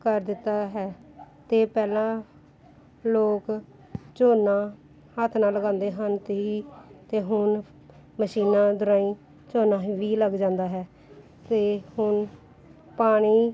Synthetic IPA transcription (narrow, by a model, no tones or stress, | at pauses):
kəɾd̪ɪt̪ːaːɦɛːt̪eːpɛːlãː | loːk | t͡ʃoːnãː | hət̪ʰnaːləɡãːnd̪eːɦənt̪eiːt̪eːɦʊn | məʃiːnãːd̪ʊɾaːĩː | t͡ʃoːnãːʋiːləɡd͡ʒãːnd̪aːɦɛː | t̪eːhʊn | paːɽ̃iː